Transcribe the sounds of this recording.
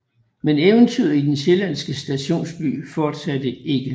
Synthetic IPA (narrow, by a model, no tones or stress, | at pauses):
meneʊənt͡sʰiʊ̰id̥enɕe̝læn̰sɡ̥əsd̥æɕo̝̰ːnsb̥y̰ːfɒːd̥sæd̥əe̝ɡ̥ə